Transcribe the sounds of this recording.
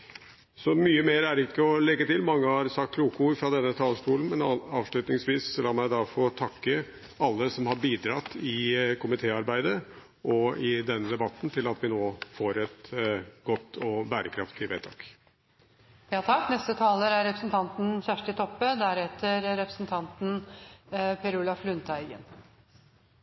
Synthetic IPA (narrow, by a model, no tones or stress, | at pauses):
sɔmyːəmeːɾæɖɪkːəɔlɛɡːət̪ɪlmɑŋːəhɑɾsɑkt̪kʰluːkʊɪfɾɑd̪ɛnːət̪ʰɑːləʂʈuːlən̩mɛnɑːʋʂlʉːt̪nɪŋsʋiːsːɔlɑːmæɪd̪ɑfɔt̪ʰɑkːə | ɑlːəsɔmhɑɾbiːd̪ɾɑt̪ːɪkʰʊmɪt̪ʰeːɑɾbæɪd̪ə | ʔɔɪd̪ɛnːəd̪ɛbɑt̪ːnt̪ʰɪlɑt̪ʋɪnoːfoːɾɛt̪ɡ̥ɔt̪ːɔbæːɾəkʰɾɑft̪ʰɪʋḛːt̪ʰɑ̰ːk | jɑːt̪ʰɑknɛst̪ət̪ʰɑːləɾæɾɾɛpɾəsnt̪ʰɑnt̪n̩çæʂʈət̪ʰɔpːəd̪æɾɛt̪əɾɾɛpɾəsnt̪ʰɑnt̪n | pʰɛɾʉlɑflʉnt̪ʰæɪɡə̰n